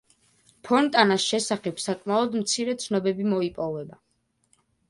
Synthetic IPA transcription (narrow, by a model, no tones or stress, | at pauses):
pʰɔnt̪ʼanasʃɛsaχɛpsakʼmaɔd̪mt̪sʰiɾɛt̪sʰnɔbɛbimɔipʼɔvɛba